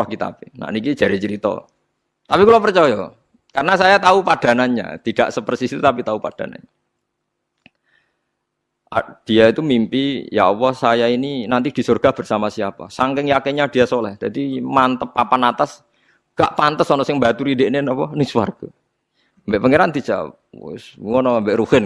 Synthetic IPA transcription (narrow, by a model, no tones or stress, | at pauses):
ɔhkit̪a̰pena̰ʔniki̥d͡ʒ̥a̤ɾet͡ʃəɾit̪ɔ̰ | t̪apikulapərt͡ʃɔjɔ | kaɾənasajat̪aupad̥a̤naɲa̰t̪id̥a̰ʔsəpərsist̪ut̪apit̪aupad̥a̤na̰ɲa | ʔa̰d̥ijait̪umimpija̰ʔɔpɔsajaininant̪id̥i̤sɔrɡ̥a̤hb̥ərsamasiapa̰saŋkɪŋjakeɲad̥i̤jasolɛhd͡ʒ̥ad̥imant̪əpːapanat̪as | ŋɡ̥a̰ʔpant̪əsɔnɔsɪŋbat̪uɾideʔnenɔpɔnɪŋsuwa̰rɡ̥a | mbɛʔpəŋeɾand̪i̥d͡ʒa̰ | sŋɔnɔambeʔɾuhɪn